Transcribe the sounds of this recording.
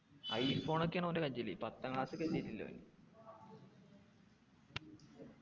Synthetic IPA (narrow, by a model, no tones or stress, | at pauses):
ɐ̰jifo̞ːɳokːeɳɐmondekɐɲd͡ʑilipɐt̪ːɐkɭaːsɨkesitːilːo̰nḭ